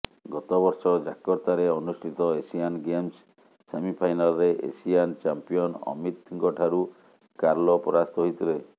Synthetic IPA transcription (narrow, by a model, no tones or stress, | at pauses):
ɡɔt̪ɔbɔɾsɔd͡ʒakɔɾt̪aɾeɔnusʈʰit̪ɔesianɡemsː | emipʰajnalɔɾeʔḛsijant͡ʃampijɔnɔ̰mit̪ʰiŋkɔʈʰaɾu | kaɾlɔpɔɾast̪ɔɦit̪iɾe